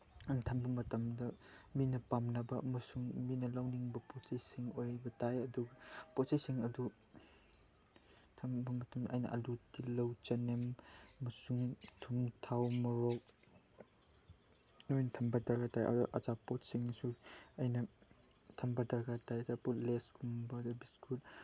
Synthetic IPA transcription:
ntʰɐmbɐmɐtɐmdɐminɐpamnɐbɐɐ̰mɐsuŋminɐlawniŋbɐpotsɐjsiŋojbɐtajɐduɡɐpɔt̚sɐjsiŋɐdu | tʰɐmbɐmɐtɐmdɐʔɐjnɐ̰ʔɐ̰lutilɐwt͡ʃɐnemɐmɐsuŋtʰuŋtʰawmɐɾok̚ | nojnɐtʰɐmbɐdɐɾɡatajʔa̰uʔɐ̰zapot̚siŋsuɐjnɐ | tʰɐmbɐdɐɾɡatajɐzapotleskʰumbɐdubiskʰul

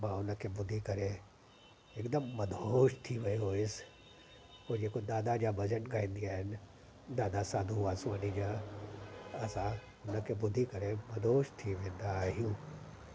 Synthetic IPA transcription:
mãːʊnəkʰebʊd̪ʱːikɐɾe | ɪkd̪əmːɐd̪ʱoːʃt̪ʰiʋɐiɦoːɪs | poːd͡ʑeːkod̪aːd̪ad͡ʑaːbɐd͡ʑəʈɡaːĩːnd̪iaːɦɪnɪ̆ | d̪aːd̪asaːd̪ʱuaːsmaːnid͡ʑaː | ɐsã | ʊnə̆kʰebʊd̪ʱːikɐɾemɐd̪ʱoːʃt̪ʰiʋẽːnd̪aɦijũː

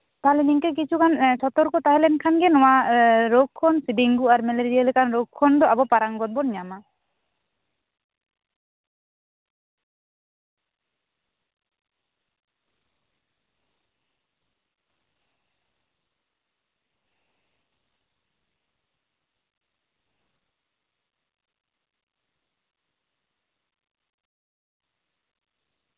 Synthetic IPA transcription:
t̪aɦlɛniŋkɛk̬it͡ʃʰukansɔt̪ɔɾkɔt̪aɦɛlɛnkʰanɡɛnɔwaɾokʰːɔnsiɖiŋɡuaɾmɛleɾialɛkanɾokʰːɔnd̪ɔʔabɔpaɾaŋɡɔt̪̚bɔnɲama

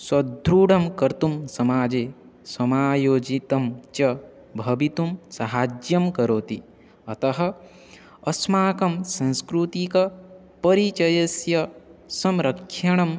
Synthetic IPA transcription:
swɐd̪ʱɾuːɽɐmkɐɾt̪umsɐmaːd͡ʒeː | sɐmaːjoːd͡ʒit̪ɐmt͡ʃɐ | bʱɐbit̪umsɐɦaːd͡ʒjɐmkɐɾoːt̪i | ɐt̪ɐɦɐ̆ː | smaːkɐmsɐ̃nskɾut̪ikɐ | pɐɾit͡ʃɐjɐsjɐsɐmɾɐkʰʃɐɳ̃ɐm

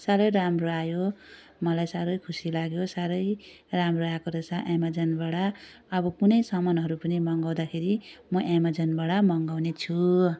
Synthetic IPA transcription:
saɾʌjɾamroajo | mʌlajsaɾʌjkʰusilaɡjosaɾʌj | ramroakoɾʌsaʔamad͡zʌnbaɽa | ʌbʌkunʌjsʌmʌnɦʌɾupʌnimʌŋɡaw̃d̪akʰeɾimʌʔamad͡zʌnbaɽamʌŋɡawnet͡sʰu

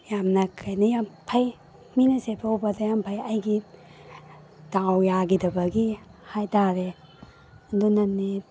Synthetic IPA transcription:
jamnɐkʰajnɐjampʰaj | minɐsepʰawbadajampʰajajɡi | d̥awjaɡidɐbɐɡihajtaɾe | andɔnɐnːe

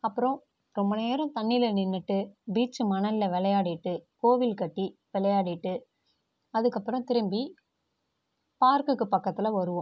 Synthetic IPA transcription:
ɐpːɯɾɔ̃ | ɾɔmbɐneːɾɐ̃t̪ɐɳːɪlɐnɪnːɯʈːɯbiːt͡ʃːɯmɐnɐɪlɐʋɛlɐjaːɽɪʈːɯkoːʋɪlkɐʈːiʋɛlɐjaːɽɪʈːɯ | ɐðɯkːɐpːɯɾɔ̃t̪ɪɾɯmbi | paːɾkɯkːɯpɐkːɐt̪ːɪlɐʋɐɾɯʋʊ̃

